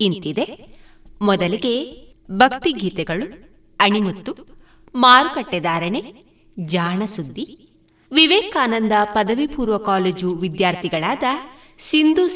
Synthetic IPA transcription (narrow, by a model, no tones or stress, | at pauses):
int̪id̪e̞ | mɔd̪ɐliɡe̞ | bʱɐk̚t̪iɡʱiːt̪ɛɡɐɭu | ɐɳimɐt̪ːu | maːɾukɐʈːɛd̪aːɾɐɳe | d͡ʒaːɳɐsud̪ːi | ʋiʋeːkaːnɐnd̪ɐpɐd̪ɐʋipuːɾʋɐkaːleːd͡ʒuʋid̪jaːɾt̪ʰiɡɐɭaːd̪ɐ | sind̪u